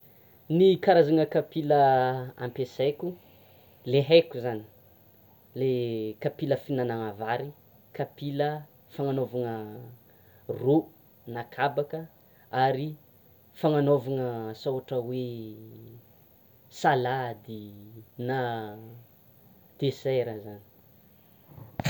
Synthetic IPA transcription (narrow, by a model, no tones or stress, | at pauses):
nikaɾazaŋəkapiləa̰mpeseku | leɦekuzani̥ | lekapiləfinanaŋavaɾi | kapilə | faŋanovaŋə | ru | nakʰabakə | aɾi | faŋanovaŋəsoaʈ͡ʂəwe | salad̪ina | d̪̥eseɾəzani̥